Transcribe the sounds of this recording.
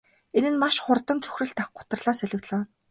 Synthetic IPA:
enɘ̆nmaʃχʊrt̪ə̆nt͡sʰɵ̥xrɘ̆ɮt̪aχɢʊ̥t̪ə̆rɮaːsœɮʲɪ̆ɣt̪ɮaːn

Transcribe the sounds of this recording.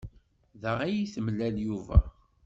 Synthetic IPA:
ðəʁæjiθəmlæljuvæ̰

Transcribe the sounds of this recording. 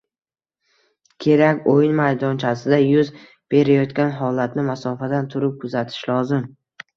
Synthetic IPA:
kʲʰe̞ɾakʲojɪnmajd̪ɒnt͡ʃʰasɪd̪ajʊz | b̥e̞ɾajɒt̪kʲanɦɒlat̪nɪmasɒfad̪ant̪ʰʊɾɪp̚kʰʊzat̪ʰɪ̥ʃlɒzɪm

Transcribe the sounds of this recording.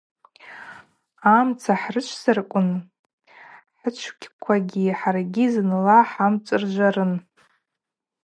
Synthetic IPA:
amt͡sʰaħrɨt͡ʃʷʰsɨrkʷʼʊn | ħət͡ʃʷʰkʲʰkʷʰaɡʲiħarɡʲiznlaħamt͡sʷʼɨrʒʷarɨn

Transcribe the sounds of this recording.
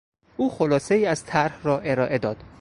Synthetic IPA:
ʔuːxo̞lɒːse̞iːæzt̪ʰæɾhrɒːʔe̞ɾɒːʔe̞d̪ɒːd̪̥

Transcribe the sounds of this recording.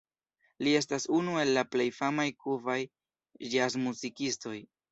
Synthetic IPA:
lie̞s̬tasunue̞lːaple̞jfamajkuvaj | d͡ʒazmuzikisto̞j

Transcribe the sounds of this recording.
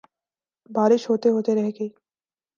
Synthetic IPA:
baːɾɪʃɦoːt̪eɦoːt̪eɾɛɦɡe

